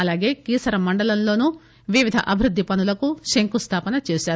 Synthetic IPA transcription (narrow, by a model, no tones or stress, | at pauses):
ɐlaːɡe̞ːkiːsɐɾɐmɐɳɖɐlɐnlo̞ːnu | ʋiʋid̪ʱɐʔɐbʱiɾud̪ʱːipɐnulɐkuʃeŋkust̪ʰaːpɐnɐt͡ʃeːʃaːɾu